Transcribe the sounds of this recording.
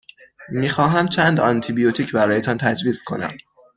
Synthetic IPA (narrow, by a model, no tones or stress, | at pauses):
miːxɒːɦæmt͡ʃʰænd̪ɒnt̪ʰibijot̪ʰiːcʰbæɾɒːjet̪ʰɒnt̪ʰæd͡ʒviːzkʰo̞̰næ̰m